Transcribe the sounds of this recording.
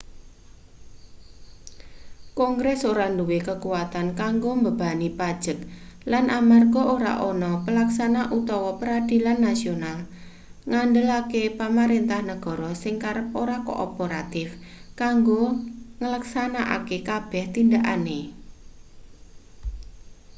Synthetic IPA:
kɔŋɡɾɛsoɾanduwekəkuwat̪ankaŋɡombəb̥a̤nipad̥ʒ̥ək̚lanʔamarɡɔʔoɾa̰ʔɔnɔpəlaksanaʔut̪ɔwɔpəɾad̪̥i̤lanːasional | ŋandəlakepamaɾent̪ahnəɡ̥ɔ̤ɾɔsɪŋkaɾəp̚oɾako̰ʔːpoɾat̪ɪfkaŋɡoŋələksanaʔa̰kekab̥ɛht̪indaʔa̰ne

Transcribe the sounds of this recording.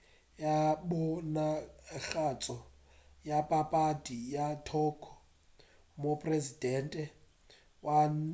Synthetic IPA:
jabɔnaɣat͡sʼɔ | japʼapʼadijatʰɔkʰɔ̥ | mopʼrezidɛntʼɛ | wa

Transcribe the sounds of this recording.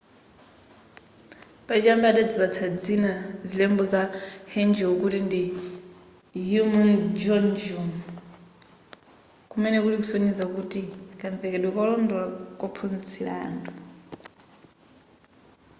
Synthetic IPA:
pat͡ʃambadad͡ziβat͡sʰad͡zinazilɛmbɔzahɛnd͡ʒɛɔkutindi | jumand͡ʒɔnd͡ʒum | kumɛnɛkulikusoɲid͡zakutikʼaɱvɛkɛɗwɛkɔlɔndɔlakʼɔpʰunt͡sʰila̰ːntu

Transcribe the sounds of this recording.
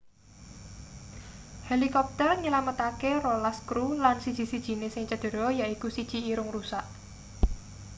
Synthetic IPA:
helikɔp̚t̪ərɲəlamət̪akerolaskɾulansid̥ʒ̥i̤si̤d̥ʒ̥i̤nesɪŋt͡ʃəd̪̥ə̤ɾɔjaʔikusid̥ʒ̥i̤iɾʊŋrusaʔ

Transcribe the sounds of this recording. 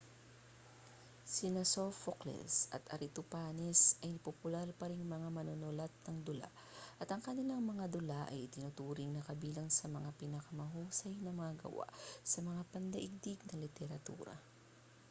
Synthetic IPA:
sinɐsofoklɛ̰lsɐ̰t̪ʔɐ̰ɾɪt̪ʊpaːnɛsʔɐjpopʊlaɾpɐɾɪŋmɐŋamɐnonolɐt̪̚nɐŋd̪ʊla̰ | ʔɐt̪ɐŋkɐnɪlaŋmɐŋad̪ʊlaʔɐjɪt̪ɪnʊt̪uːɾɪŋnɐkɐbiːlɐŋsɐmɐŋapɪnɐkɐmɐɦuːsɐjnɐmɐŋaɡɐ̰wa̰ʔsɐmɐŋapɐnd̪ɐʔɪɡ̚d̪ɪɡ̚nɐŋlɪt̪ɛɾɐt̪ṵːɾɐ̰

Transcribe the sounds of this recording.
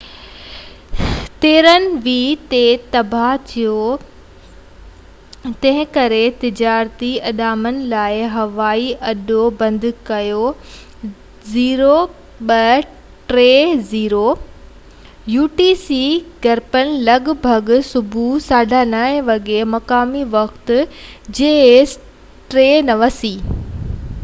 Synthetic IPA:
t̪eːɾənɪ̆ʋiːt̪et̪ɐbʱat̪ʰijo | t̪ɐ̃ɦɪ̃kɐɾet̪ɪd͡ʑaːɾt̪iɐɗaːmənɪ̆laːɪɦɐʋaːiʔɐɗobɐ̃nd̪ʱkɐjo | ziːɾo | ɓɐ | ʈɾeːziːɾo | juːʈiːsiɡɐɾpənɪ̆lɐɡbʱɐɡsʊbʱusaːɖʱanaːɪ̃ʋɐɠemɐkaːmiʋɐkt̪d͡ʑeːes | ʈɾeːnɐʋəsiː

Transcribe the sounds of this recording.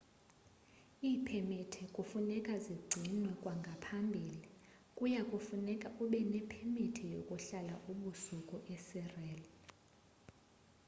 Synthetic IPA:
iːpʰɛmitʰɛkʼufunɛkʼaziɡ͡ǀʱinwɛkʼwaŋɡʱapʰambʱiːli | kʼujakʼufunɛkʼauɓɛnɛpʰemitʰɛjo̰kʼuɬalaʔuɓusukʼɔʔɛsɛrɛːlɛ

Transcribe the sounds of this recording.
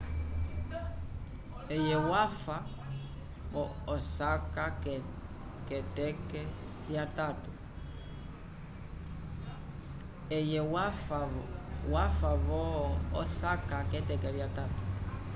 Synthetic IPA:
ɛjɛwafa | βɔɔsaka | kɛtɛkɛ | ljatatu | ɛjɛwafwafaβɔɔsakakɛtɛkɛɾjatatu̥

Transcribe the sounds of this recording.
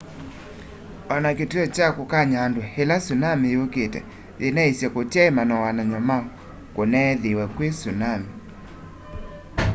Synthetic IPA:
ɔnaketuɔt͡ʃakokaɲandwohelasunamejoketɛ̰ | ðenaesjɛkotjaemanɔwanaɲɔmaɔ | konɛðewɛkwesunami

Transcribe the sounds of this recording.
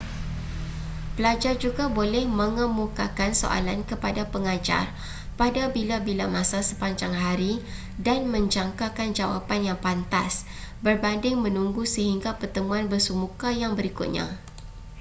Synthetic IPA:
pəlad͡ʒard͡ʒuɡabolɛhmə̃ŋəmukakanso̰ʔa̰lankəpadapəŋad͡ʒa̰r | padabilabilamãsasəpaɲd͡ʒaŋɦaɾi | danmə̃ɲd͡ʒaŋkakand͡ʒawa̰panjaŋpant̪a̰s | bərbandɪŋmə̃nuŋɡusəɦiŋɡapərt̪əmũanbərsumukajaŋbəɾikʊt̪̚ɲã̰

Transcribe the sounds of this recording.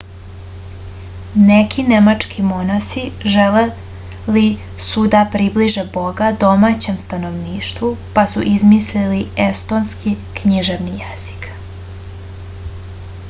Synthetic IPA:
nekʰinemat͡ʂkʰimo̞nasiʒele | li | sud̪apɾibliʒebo̞ɡad̪o̞mat͡ɕe̞mst̪ano̞ʋniːʃt̪ʋupasṵʔizmisliliest̪o̞nski | kɲiʒe̞ʋnijez̥i̥k

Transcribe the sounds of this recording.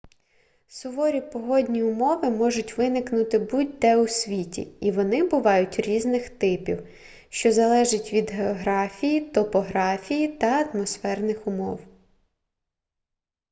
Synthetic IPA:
sʊʋɔɾʲipɔɦɔdʲnʲiʊmɔʋɪmɔʒʊtʲʋɪnɪknʊt̪ɪbud̚ʲd̪ɛʊsʲʋʲitʲḭiʋɔnɪbʊʋɑjʊtʲɾʲiznɪxt̪ɪpʲḭw | ʃt͡ʃɔzɐlˠɛʒɪtʲʋʲid̪ɦeɔɦɾɑfʲijit̪ɔpɔɦɾɑfʲijit̪ɐɐt̪mɔsfɛrnɪxʊmɔ̰w

